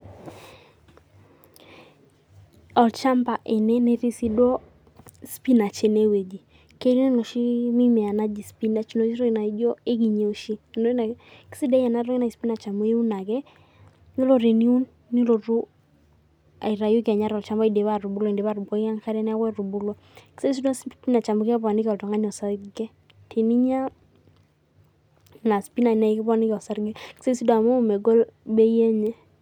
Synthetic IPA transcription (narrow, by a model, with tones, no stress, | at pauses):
ɔ˨lt͡ʃa˦mba˨ʔe˨nɛ˦nɛ˦ɾi˦si˦do˦ | spi˦na˨t͡ʃe˨ne˦we˨d͡ʒi˨ | ke˦li˦i˦nɔ˨ʃi˦mi˦mɛ˨a˨na˦d͡ʒi˨spi˦na˨˦t͡ʃno˨˦ɾɔ˦˨na˨˦d͡ʒɔ˦e˦ɡi˨ɲe˨o˦ʃi˦˨no˦n˨ksi˦dɛ˦ja˨na˦ɾɔ˦ɪ˦na˨i˨spi˦na˨t͡ʃa˨mo˦e˦u˦na˨ɡɛ˦ | ni˦lo˦ɾe˨ni˦u˦nː | i˦lo˨ɾu˦ | a̰˨i˨ɾa˨ju˦ka˨ɲa˦ɾɔ˨lt͡ʃa˦mba˦i˨de˨βa˨ɾu˨bu˦lɔ˨i˨nde˨ba˦ɾu˨bɔ˦a˦ŋka˦ɾɛ˦nɛ˦a˦wɛ˦ɾu˨bu˦lɔ˦ | ki̥˦se˦s̬i˦dɔ˦spi˦na˨t͡ʃa˨mʊ˨kpa˨nɪ˦kɔ˨ltɔ˨ŋa˦ɲɔ˨sa˦ɡɛ˦ | tʰe˨ni˦ɲa˦ | na˨spi˦na˨na˨i˦kɛ˦pːnɪ˦kɔ˨sa˦ɾɡe˦ki̥˦se˦si˦dɔ˨a˨mo˦˨mɛ˨ɡɔ˦lbɛ˦jɛ˦ɲɛ˦